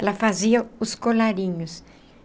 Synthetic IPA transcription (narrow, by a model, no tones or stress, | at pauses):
ɛlɐfaziɐʊskolaɾĩɲʊs